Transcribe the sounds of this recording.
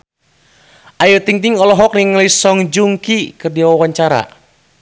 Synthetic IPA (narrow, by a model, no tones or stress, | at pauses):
ʔajut̪iŋt̪iŋɔlɔɦɔk̚niŋlisɔŋd͡ʒuŋkikɨrdiawawaɲt͡ʃaɾa̰